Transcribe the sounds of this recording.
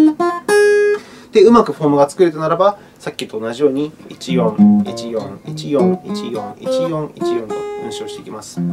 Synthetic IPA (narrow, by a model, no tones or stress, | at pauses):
d̪̥e̞ɯ̟makɯ̟ɸo̞ːmɯ̟ɡat͡sɨ̥kɯ̟ɾɯ̟t̪anaɾaba | sakʲːit̪o̞ːnaʑijo̞ːɲ̟iit͡ɕijõ̞ŋit͡ɕijõŋit͡ɕijõ̞ŋit͡ɕijõ̞ŋit͡ɕijõ̞ŋit͡ɕijõ̞nt̪onʲɯɕio̞ːɕi̥t̪e̞ikʲimasɨ̥